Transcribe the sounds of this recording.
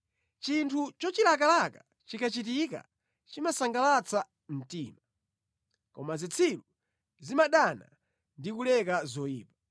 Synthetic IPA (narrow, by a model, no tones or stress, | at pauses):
t͡ʃintʰut͡ʃɔt͡ʃilakalaka | t͡ʃikʰat͡ʃit̬ika̰ | t͡ʃimasaŋɡalat͡sʰa | m̩tiːma | kɔmazit͡sʰilu | zimaɗana̰ | ndikulɛkazɔjiːpḁ